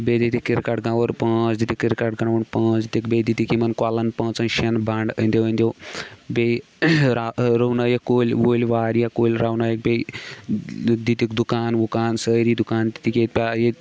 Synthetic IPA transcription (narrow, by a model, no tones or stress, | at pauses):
bed̪it̪ikiɾkaʈɡãʋɐɾpə̃ːt͡sd̪it̪ikiɾkaʈɡɐɳaʋuɳpə̃ːt͡sit̪ikbed̪it̪ikimɐnkwalɐnpɐ̃ːt͡sɐnʃɐnbaːɳɖənʲd̪ewənd̪ʲowbe | ɾaɾownajɐkoːlʲʋoːlʲʋaːɾjakoːlʲɾawnajɐk̚bʲe | d̪it̪ikd̪ukaːnʋukaːnsəɾiːd̪ukaːnt̪i̥t̪iket̪̚pʲaje